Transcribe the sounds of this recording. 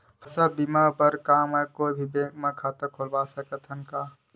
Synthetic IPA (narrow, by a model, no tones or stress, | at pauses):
pʰɐsabimabəɾkaːmɐkoːbʱibeːɡmẽkʰaːt̪əkʰolbaːsəkət̪ʰɦənkaː